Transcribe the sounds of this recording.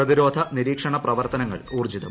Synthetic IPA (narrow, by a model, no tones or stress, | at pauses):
rɐðiɾo̞ːd̪ʱɐniɾiːkʂɐɳɐprɐʋɐrt̪ɐnɐŋːɐ̰ɭuːrd͡ʑiðɐm